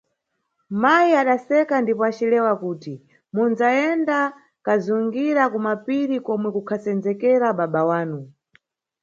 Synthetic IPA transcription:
majiaɗasɛkandipɔat͡ʃilɛwakuːti | munzaɛnda | kazuŋɡiɾakumapiɾikɔmwɛkukʰasɛnd͡zɛkɛɾaɓaɓawaːnu

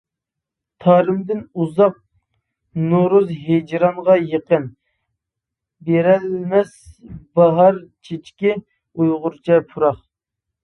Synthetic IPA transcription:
t̪ʰɑːɾɪmd̪ɪnuzɑq̚ | noɾuzɦed͡ʒɾɑnʁɑjəqən | beɾɛlmɛsbɑɦɑɾt͡ʃʰet͡ʃkʲi | ujʁʊɾt͡ʃʰɛpʰuɾɑχ

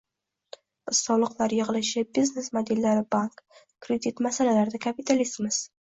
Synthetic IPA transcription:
b̥ɪz̥sɒlˠɨqlˠaɾjɨʁɨlˠɪʃɪbiznesmad̪ilːaɾɪbaŋk | kːɾed̪it̪masalalaɾd̪akʰapit̪ʰalist̪mɪz̥

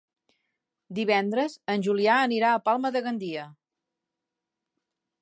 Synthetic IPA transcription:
d̪iβ̞ɛnd̪ɾəzənʲʒuliaəniɾaəpalˠməðəɣənd̪iə

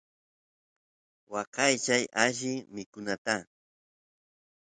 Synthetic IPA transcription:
wɑqɑjt͡ʃajaʃɪmɪkʊnat̪a

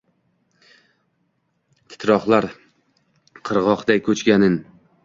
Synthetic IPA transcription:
t̪ʰɪ̥t̪ɾɒχlˠaɾ | qʰɨɾʁɒχd̪ajkʰɵt͡ʃɡʲanɪn

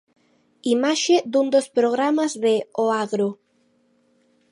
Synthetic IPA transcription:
imaʃed̪und̪ospɾoɣɾamazðeoaɣɾo

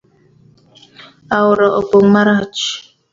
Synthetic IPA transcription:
awʊɾaʔopomaɾat͡ʃ

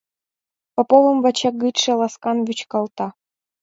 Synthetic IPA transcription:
popovɤmvɑt͡ɕeɡɯt̪ʂɘ̆lˠɑskɑnvʲyt͡ɕkɑlˠt̪ɑ

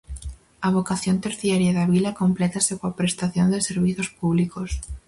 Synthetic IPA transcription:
ɐβokaθjont̪eɾθjaɾjaðaβilɐkomplɛt̪asekoapɾest̪aθjond̪eseɾβiθospuβlikos

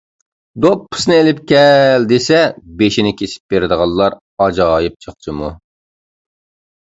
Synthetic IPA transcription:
d̪opʰːʊ̥snɨelɪpkʲɛld̪esɛbeʃinɪkʲʰesʰɪ̥p̚b̥eɾɪd̪əʁɑlˠːɑɾ | ɑd͡ʒɑːjip̚t͡ʃʰəχt͡ʃʰɨmu

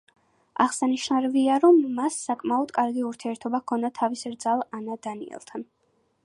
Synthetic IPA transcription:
a̰ʁsaniʃnaɾɛviaɾɔmːasːakʼmaɔd̪kʼaɾɡiuɾt̪ʰiɛɾt̪ʰɔbakʰɔnd̪at̪ʰavisɾd̪zalˠanad̪anḭɛ̰lˠt̪ʰan

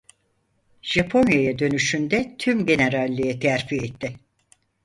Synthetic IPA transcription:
ʒ̥apʰo̞njajad̪ø̞nyʃynd̪ɛt̪ʰymɟe̞neɾalʲːijɛt̪ʰæɾfiet̪ʰːɪ

